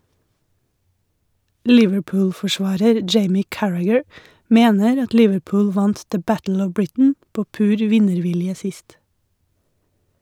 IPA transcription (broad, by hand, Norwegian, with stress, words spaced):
ˈlɪʋəɹˌpʊːlfɔˌʃʋɑːɾəɾ ˈd͡ʒeɪmɪ ˈkæɹæɡəɹ ˈmeːnəɾ ˈɑt ˈlɪʋəˌpʊːl ˈʋɑnt də ˈbætl̩ ˈɔʋ ˈbɹɪtn̩ ˈpoː ˈpʉːɾ ˈʋɪnəɾˌʋɪljə ˈsɪst